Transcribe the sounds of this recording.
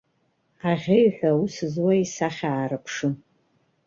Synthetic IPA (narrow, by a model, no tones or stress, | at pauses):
aʁʲɪjħʷᶣausɨzwaisaχʲaːɾɨpʰʂɨn